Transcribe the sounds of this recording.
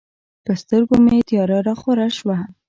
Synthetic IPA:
pəst̪əɾɡomet̪jɑɾɑɾaxoɾaʃwa

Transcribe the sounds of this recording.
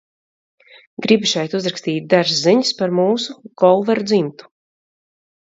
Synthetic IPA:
ɡɾibʃɛjt̪uzɾakst̪iːt̪̚ʲd̪aɾsziɲispaɾmuːsuɡ̥ɔlˠvɛɾud̪zimt̪u̥

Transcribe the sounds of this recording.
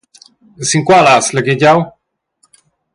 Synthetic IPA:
siŋkwalasləɡiɟaw

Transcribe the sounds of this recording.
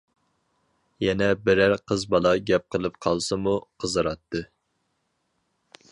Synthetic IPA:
jɛnɛbɪɾæɾqʰəzbɑlˠɑɡʲɛp̚qʰəlˠɨpqʰɑlˠsɨmuqʰəzɨɾɑt̪ʰːɨ

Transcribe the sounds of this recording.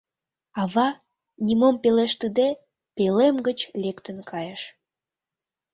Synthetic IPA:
ɑβɑ | nimompeleʃt̪əd̪e | pelemɡət͡ɕlekt̪ənkʰɑjəʃ

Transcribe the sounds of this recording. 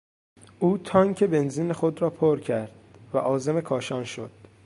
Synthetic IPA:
ʔuːt̪ʰɒːŋcʰe̞be̞nziːnexod̪ɾɒːpʰoɾcʰæɾd̪̥̚væ̰ʔɒːze̞me̞kʰɒːʃɒːnʃo̰d̪̥

